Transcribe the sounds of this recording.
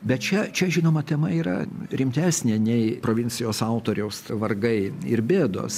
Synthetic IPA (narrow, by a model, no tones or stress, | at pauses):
bʲɛt̪̚t͡ʃʲɛt͡ʃʲɛʒʲɪnoːmɐt̪ʲɛmɐiːɾɐ̰ɾʲɪmʲt̪ʲæːsʲnʲeːnʲɛɪpɾoːʋʲɪnʲt͡s̪ʲɪjoːsɐʊt̪oːɾʲɛʊsʋɐrɡɐɪɪɾbʲeːd̪o̰ːs